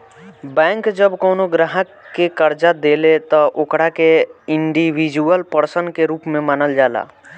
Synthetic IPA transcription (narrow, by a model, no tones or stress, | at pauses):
bɛ̃ːŋkd͡ʒəbkoːnoɡɾaɦəkːekəɾd͡ʒad̪eːlet̪ɔʔokɽakeɪ̃ɳɖiwid͡ʒuəlpəɾsənkeɾuːpmẽmanəld͡ʒaːla̰ː